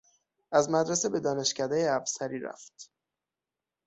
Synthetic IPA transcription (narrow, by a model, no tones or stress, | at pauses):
ʔæzmæd̪ɾesebe̞d̪ɒːne̞ʃcæd̪ejeæbsæɾiːɾæ̰ft̪